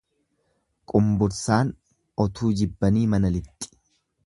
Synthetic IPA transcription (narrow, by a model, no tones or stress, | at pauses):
kʼʊmbʊɾsaːn | ɔt̪ʰuːd͡ʒɪbːɐniːmɐnɐlɪt̪ʼːɪ̥